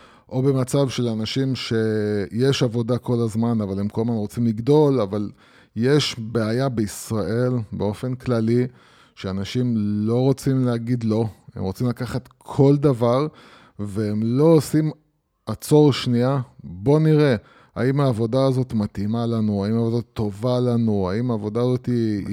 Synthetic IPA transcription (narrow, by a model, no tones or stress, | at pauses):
ʔo̞be̞mat͡savʃe̞lanaʃimʃe̞je̞ʃavo̞dako̞lazmanavalemkolmanʁo̞t͡simliɡdo̞laval | je̞ʃbe̞ajabeisʁaʔe̞lbeo̞fe̞nklali | ʃeanaʃimlo̞ʁo̞t͡simleaɡid̪lo̞e̞̰mʁot͡simlakaχat̪kʰo̞ld̪avaʁ | veemlo̞osim | at͡so̞ʁʃniabo̞niʁe̞ | a̰imaːvo̞daːzo̞t̪mat̪imalanuaimaːvod̪at̪o̞valanua̰imaːvo̞daːzo̞t̪i